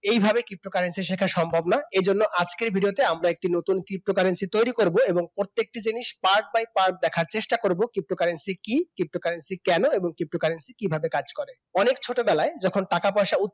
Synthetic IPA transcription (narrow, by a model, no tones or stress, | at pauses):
ejbʱabekɾip̚ʈokaɾensiʃekʰaʃɔmbʱobnaed͡ʑonːoʔad͡ʑkeɾbʱiɖiot̪eamɾaek̚ʈinot̪unkɾip̚ʈokaɾensit̪ojɾikoɾboeboŋpɾoɾt̪ːek̚ʈid͡ʑiniʃpaɾk̚bajpaɾk̚d̪ɛkʰaɾt͡ɕeʃʈakoɾbokɾip̚ʈokaɾensikikkɾip̚ʈokaɾensikɛnoeboŋkɾip̚ʈokaɾensikibʱabekad͡ʑkɔɾe | ɔnekt͡ɕʰoʈobɛlaed͡ʑɔkʰonʈakapɔeʃaut̪